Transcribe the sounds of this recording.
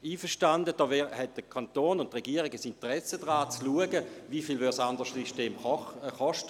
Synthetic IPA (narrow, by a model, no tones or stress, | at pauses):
iːfəʃtandəd̥ɔːhɛt̚d̥əkʰantoːnʊntʁɛɡiəʁɪɡəsintəʁɛsədʁaːt͡sluəɡəvifiːlvʏsandəʁʃsiʃteːmɔχɔʃt